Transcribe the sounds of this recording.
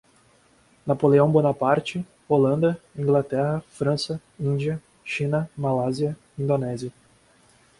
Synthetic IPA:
napoleɐ̃w̃bonapaɾt͡ʃɪ | olɐ̃nd̪ɐĩŋɡlat̪ɛɦɐfɾɐ̃sɐ | ĩd͡ʒiɐ | ʃĩnɐmalaziɐ | ĩnd̪onɛziɐ

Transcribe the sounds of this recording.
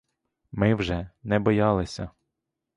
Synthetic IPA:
mɪwʒɛnɛbɔjɑlˠɪsʲɐ

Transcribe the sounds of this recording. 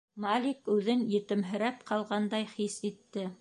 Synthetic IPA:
malʲikʉðɘnjɘ̆t̪ɘ̆mɦɘ̆ɾæpqʰɑlˠʁɑnd̪ɑjχisit̪ːɘ

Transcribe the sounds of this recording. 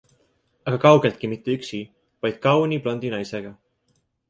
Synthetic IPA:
ɑɡ̥ɑkɑwɡ̥e̞lt̪̚kimit̪ːeyksi | vɑjd̪̥̚kɑwnʲib̥lo̞nd̪̥inɑjse̞ɡ̥ɑ

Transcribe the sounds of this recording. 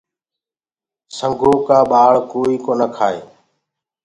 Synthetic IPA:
səŋɡʱoːkaːɓaːɭkoːiːkoːnəkʰaːḛː

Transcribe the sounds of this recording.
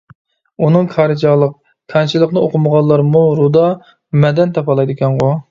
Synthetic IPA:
unɨŋkʰɑɾɨd͡ʒɑlˠəq̚ | kʰɑnt͡ʃʰilˠəqnɨoqʰʊməʁɑnlˠːɑɾmuɾud̪ɑ | mɛd̪ɛnt̪ʰɑpʰɑlˠɑjd̪ɪkʲɛnʁo

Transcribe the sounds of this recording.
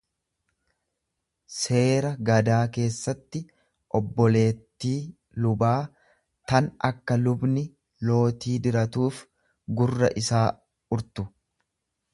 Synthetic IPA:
se̞ːɾɐɡɐd̪aːke̞ːsːɐt̪ːɪ | ʔɔbːɔle̞ːt̪ːiː | lʊbaː | t̪ɐnɐkːɐlʊbnɪ | lo̞ːt̪iːd̪ɪɾɐt̪uːf | ɡʊrːɐ̰ʔɪsaː | ʊɾt̪ʊ

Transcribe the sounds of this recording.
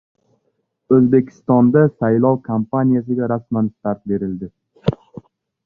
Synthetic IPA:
ɵzbe̞kʲʰɪ̥st̪ɒnd̪asajlˠɒwkʰampʰanijas̬ɪɡʲaɾasmanʃt̪aɾt̪̚be̞ɾɪld̪ɪ

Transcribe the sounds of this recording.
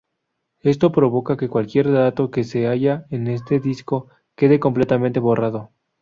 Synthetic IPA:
est̪o̞pɾo̞β̞o̞kake̞kwalkje̞ɾðat̪o̞ke̞se̞aʝaene̞s̬t̪e̞ðisko̞ | ke̞ð̞e̞ko̞mple̞t̪amẽnt̪e̞βo̞rʔaðo̞

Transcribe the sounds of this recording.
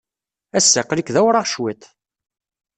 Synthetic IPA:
æsːəqlikðæwɾˤɑʁʃwit̪

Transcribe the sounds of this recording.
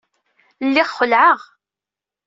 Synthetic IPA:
lːɪʁːəlʕəʁ

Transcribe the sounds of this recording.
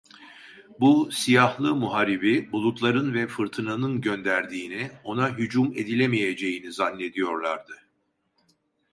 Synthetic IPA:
busijahlˠɯmuɦaɾibibulˠut̪lˠaɾɯnvɛfɯɾt̪ʰɯnanɯnɟø̞nd̪æɾd̪iːnio̞naɦyd͡ʒume̞d̪ilʲemije̞d͡ʒe̞jinizanːe̞d̪ijo̞ɾlˠaɾd̪ɯ

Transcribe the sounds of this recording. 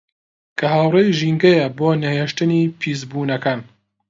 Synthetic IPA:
kʰɐɦaːwrejʒiːŋɡɐjɐboːnɐheːʃt̪ɨniːpʰiz̬buːnɐkaːn

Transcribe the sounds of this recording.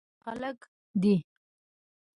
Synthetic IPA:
xa̰lək | d̪i

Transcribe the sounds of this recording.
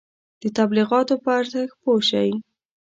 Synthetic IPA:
d̪̥ət̪abliɣɑt̪opəaɾt̪axpoʃawi

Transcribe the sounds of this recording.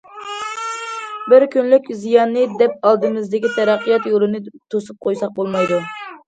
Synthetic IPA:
bɪɾkʲynlykʲzijɑnːɨd̪ɛp̚ɑlˠd̪ɨmɪzd̪ɪkʲit̪ʰɛɾɑqːijɑt̪jolˠɨnɨt̪ʰosup̚qʰojsɑq̚bolˠmɑjd̪u

